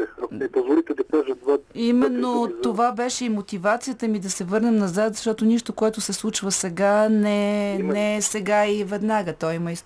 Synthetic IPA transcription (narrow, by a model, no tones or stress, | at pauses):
anɛpozvolit̪ɛd̪ɐkaʒəd̪vad̪imɛnːot̪ovabɛʃɛimot̪ivat̪sijət̪əmid̪ɐsɛvɤɾnɛmnɐzat̪zɐʃt̪ɔt̪oniʃt̪okoɛt̪ʊsɛslˠut͡ʃvəsɛɡanɛnɛsɛɡaivɛd̪naɡət̪ɔjimɐis